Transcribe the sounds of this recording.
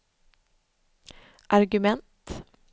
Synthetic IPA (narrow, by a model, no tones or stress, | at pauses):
ʔaɾɡɵmɛnt̪